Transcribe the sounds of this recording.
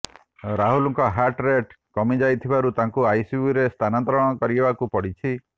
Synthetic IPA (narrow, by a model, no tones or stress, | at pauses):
ɾaɦulɔŋkɔɦaʈɾeʈ | kɔmid͡ʒajt̪ʰibaɾut̪aŋkuajsiuɾest̪ʰanant̪ɾɔɽ̃ɔkɔɾibakupɔɽit͡ʃʰi